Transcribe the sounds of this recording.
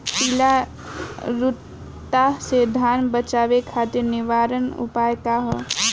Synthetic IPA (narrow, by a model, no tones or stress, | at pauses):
pila | ɾut̪ː | ased̪ʱanbət͡ʃabekʰat̪iɾniʋaɾənṵpajkaɦə